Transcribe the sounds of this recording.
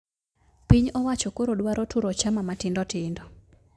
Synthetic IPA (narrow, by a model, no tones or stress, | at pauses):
piɲɔwat͡ʃɔkoɾodwaɾʔotuɾɔt͡ʃamamatɪndɔtɪndɔ